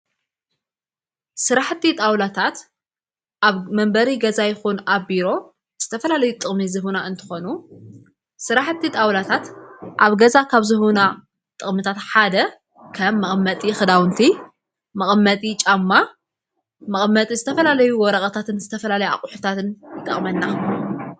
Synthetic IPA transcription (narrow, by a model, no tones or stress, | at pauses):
sɨɾaħt̪ːit̪ʼawlat̪ʰat̪ | ʔaβmɐmbɐɾiɡɐzajɪxunabiɾo̞ | z̥ɨt̪ʰɐfɐlalɐjut̪ʼɨχʼmizɨɦunaɨnt̪ʰɨ̥xonu | sɨɾaħt̪ʰːit̪ʼawlat̪ʰat̪ʔaβɡɐzakʰaβzɨɦuna | t̪ʼɨχʼmɨt̪ʰat̪ħad̪ɐ | kʰɐmːɐχʼmːɐt̪ʼixɨd̪awɨnt̪ʰi | mɐχʼmːɐt̪ʼit͡ʃʼamːa | mɐχʼmːɐt̪ʼizɨt̪ʰɐfɐlalɐjuwɔɾɐχʼɐt̪ʰat̪ɨnzɨt̪ʰɐfɐlalɐja̰χʼʊħut̪ʰat̪ɨnjɨt̪ʼɐ̰χʼmɐnːa